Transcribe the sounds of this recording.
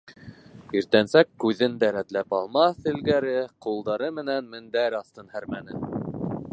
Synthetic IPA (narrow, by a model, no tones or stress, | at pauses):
iɾt̪ænsækːʉðɘnd̪æɾæt̪læpɑlˠmɑθɘ̆lɡæɾɘqulˠd̪ɑɾɤmɘ̆nænmɘ̆nd̪æɾɑθt̪ɤnhæɾmænɘ̰